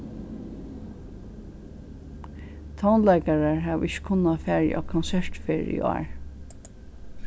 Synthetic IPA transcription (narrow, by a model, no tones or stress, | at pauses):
t̪ʰawnlɛɪkaɹaɹɦæːʋɪçə̥kʰʊnːafæːɹj̰ʔa̰kʰɔnsɛɹt̪feːɹɪ̰a̰a̰ɹ